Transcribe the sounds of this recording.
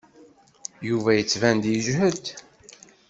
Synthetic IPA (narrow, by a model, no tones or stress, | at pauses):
juvæjət͡sːvænd̪jəʒɦəd̪